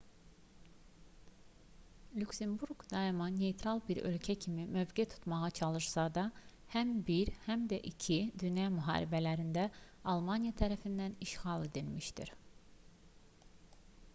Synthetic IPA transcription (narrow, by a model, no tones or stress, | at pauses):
lʲyksembuɾɡd̪ɑimɑne̞jt̪ʰɾɑlˠbiɾø̞̰lcʰæcʰimimøvɡet̪ʰu̥t̪mɑʁɑt͡ʃʰɑlˠɯɾsɑd̪ɑ | hæmbiɾhæmd̪æʔicʰid̪ynjɑmyɦɑ̰ːɾḭbælæɾind̪æ | ɑlˠmɑnijɑt̪ʰæɾæfind̪æniʃɣɑlˠe̞d̪ilmiʃt̪ḭɾ